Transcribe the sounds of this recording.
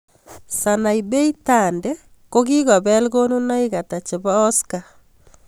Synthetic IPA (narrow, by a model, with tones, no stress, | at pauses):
sa˨na˨i˨be˦i˦ta˨ndɛ˦ | ko˦ki˦ɣa˨bɛ˦lɣo˦nu˦na˦i˦ɣa˨ta˨t͡ʃe˨ba˦ɔ˦ska˨